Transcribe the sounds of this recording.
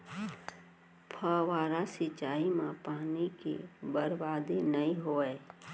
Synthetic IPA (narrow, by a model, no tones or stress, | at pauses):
pʰəʋaːɾasɪt͡ʃaːimãpaːnikḛbəɾbaːd̪enəĩɦoːɛː